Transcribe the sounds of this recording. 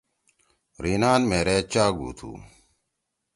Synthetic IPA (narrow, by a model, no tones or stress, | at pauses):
ɾiːnaːnmeːɾet͡ɕaːɡṵːt̪ʰṵː